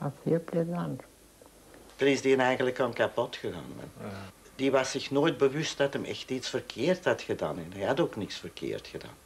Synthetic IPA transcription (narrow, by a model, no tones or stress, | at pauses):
ashiəplezant | d̥ənɪzdiənɛjɣənləkɔnkapɔtxəɣa̰ːnʋa̰ndiʋɑsɪxnoːjt̚bəʋʏst̚dɑtəmɛ̰xtitsfərkʰɪːrthɑtxəda̰ːnɛnɦɛjhɑtoːknɪksfərkʰɪ̰ːrtxəda̰ːn